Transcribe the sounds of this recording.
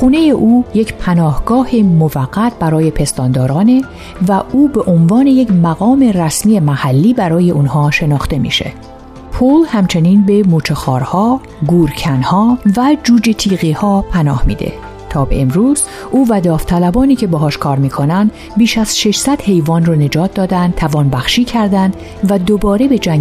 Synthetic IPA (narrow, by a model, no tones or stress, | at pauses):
xuːne̞je̞ʔuːje̞cʰpʰænɒːhɡɒːhemovæɡːæt̪̚ʰbæɾɒːje̞pʰe̞st̪ɒːnd̪ɒːɾɒːne̞ | væʔuːbe̞ʔonvɒːne̞jecmæɣɒːme̞ræsmiːemæhælːiːbæɾɒːje̞ʔunhɒːʃe̞nɒːxt̪e̞mḭːʃe̞̰ | pʰolhæmt͡ʃʰe̞niːnbe̞muːt͡ʃʰexɒːɾhɒː | ɡuːɾcʰænhɒːvæd͡ʒuːd͡ʒe̞t̪ʰiːɣiːhɒːpʰænɒːhmḭːd̪ḛ | t̪ʰɒːbḛemɾuːz̥ | ʔuːvæd̪ɒːft̪ʰælæbɒːniːcʰe̞beɦɒːʃkʰɒːɾmiːkʰo̞nænd̪ | biːʃæz̥ʃe̞ʃsæd̪̥he̞jvɒːnrone̞d͡ʒɒːt̪̚ʰd̪ɒːd̪ænd̪̚t̪ʰævɒːnbæxʃiːcʰæɾd̪ænd̪ | væd̪obɒːɾe̞be̞d͡ʒæŋ